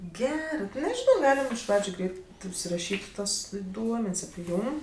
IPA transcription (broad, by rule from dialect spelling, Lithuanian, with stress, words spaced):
ˈɡʲæːrɜ tʲɪ nʲɛʒʲɪˈnɐʊ ˈɡɑːlʲɪm ɪʃ ˈprɑːd͡ʒʲʊ ˈɡrʲɛɪt ʊʃʲsʲɪrɐˈʃʲiːtʲ ˈtuɔs ˈduɔmʲɛnʲsʲ ɐpʲɪ ˈjuːm